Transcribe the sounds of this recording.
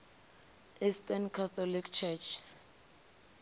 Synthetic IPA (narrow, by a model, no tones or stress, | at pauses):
istankʰat̪ʰɔlikʰt͡ʃʰɛt͡ʃʰs